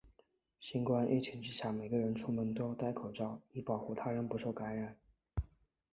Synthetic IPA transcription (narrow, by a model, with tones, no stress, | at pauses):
ɕi˥nkwa˥˧nʔḛ˥ɪt͡ɕʰi˧˨˩ŋʈ͡ʂɻ̩˥ɕja˥˩me˨˩ɪɡə˧˦ɻə˧˥nʈ͡ʂʰu˥mə˧˥nt̪wo˥ʊt̪a˥˩ɪkʰo˨˩ʊʈ͡ʂɑ˥˩ʊi˥pɑ˨˩ʊxu˥˩t̪ʰa˥ɻə˧˥npu˧˥ʂo˥˩ʊka˧˥nɻa˨˩˦n